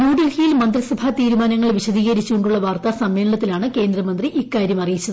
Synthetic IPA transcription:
nuːɖɐlhijilmɐnd̪risɐbʱat̪iːɾumaːnɐŋːɐɭʋiɕɐd̪iːɣɐɾit͡ɕːuɣoɳɖuɭːɐʋaːrt̪asɐmʋeːɭɐlɐt̪ːilaːɳɨke̞ːnd̪ɾɐmɐnd̪riʔikːaːɾjɐmɐrijit͡ɕːɐð

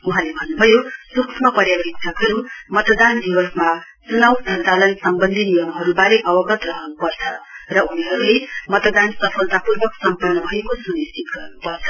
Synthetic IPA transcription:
uɦãlebʱʌnːubʱʌjosukʰmʌpʌrjabikt̪ʰʌkʌɾumʌt̪d̪and̪ibʌsma | t͡sunʌwd͡zʱʌntalʌnsʌmbʌnd̪ʱiniwʌmɦʌɾubaɾeʔʌbʌɡʌt̪rʌɦʌnupʌrt͡sʰʌrʌuniɦʌɾulemʌt̪d̪ansʌpʰʌlt̪apurbʌksʌmpʌnːʌbʱʌjekosunist̪ʰit̪̚ɡʌrnupʌrt͡sʰʌ̥

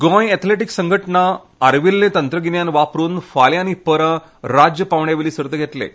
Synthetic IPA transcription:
ɡɔ̃jɛt̪ʰleʈiksəŋɡʱəʈɳaː | ɾʋilːẽt̪ənt̪ɾəɡinjanʋapɾuːnfaljañipəɾə | ɾad͡ʑjəpaʋɳjaʋeliːsəɾt̪əɡʱet̪lḛ

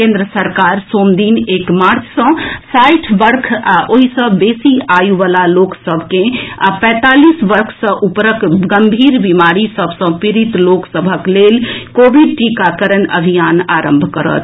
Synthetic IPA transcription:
kẽːnd̪ɾəsəɾkaːɾsoːmd̪iːneːkmaːɾt͡ʃʰsə̃saɪʈʰʋəɾkʰoɦisə̃beːsiajuʋaːlaloːksəbʱkẽapɛ̃ːt̪aːlisʋəɾkʰsə̃ʔupɾəkɡəmbʱiːɾbimaːɾisəbʱsə̃piɾit̪loːksəbʱəkleːlkoːbiɖ̚ʈikakəɾənə̰bʱijaːnaːɾə̃mbʱkəɾə̰t̪

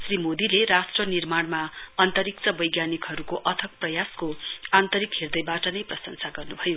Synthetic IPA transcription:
srimod̪ileɾasʈrʌnirmaɳmaʌnt̪ʌɾik̚t͡sʌbʌjɡjanikɦʌɾukoʔʌt̪ʰʌk̚prʌjaskoant̪ʌɾikɦerd̪ʌjbaʈʌnʌjprʌsʌŋsaɡʌrnubʱʌjo

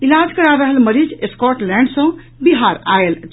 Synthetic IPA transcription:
ilad͡ʒkəɾaɾəɦəlməɾid͡ʒeskɔʈlɛ̃ɳɖsə̃ | biɦaɾa̰el

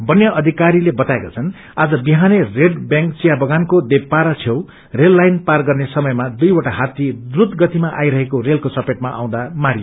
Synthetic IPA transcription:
bʌnjʌʔʌd̪ʱikaɾilebʌt̪aekat͡sʰʌn | ad͡zʌbiɦanereɖbjãŋkt͡sijabʌɡankod̪epːaɾʌt͡sʰew | relːajnparɡʌrnesʌmʌjmad̪ujwʌʈaɦat̪id̪rut̪ɡʌt̪imaʔa̰jɾʌɦekorelkot͡sʌpeʈmaʔa̰w̃d̪amaɾio

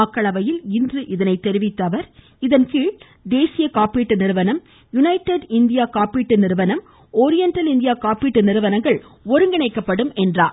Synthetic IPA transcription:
ɐkːɐɭɐʋɐjɪlɪndrɯʔɪðɐnɐɪt̪ːɛɾɪʋɪt̪ːɐʋɐɾ | ɪðɐnkiːɭ | d̪eːsɪjɐkaːpːiːʈːɯnɪɾɯʋɐnɐm | jʊnɐɪʈːɐɖɪnd̪ɪjaːkaːpiːʈːɯnɪɾɯʋɐnɐm | ɔːɾɪjɐnʈɐlɪnd̪ɪjaːkaːpiːʈːɯnɪɾɯʋɐnɐŋɡɐɭ | ɔɾɯŋɡɐnɐɪkːɐpːɐɽɯmɛndraː

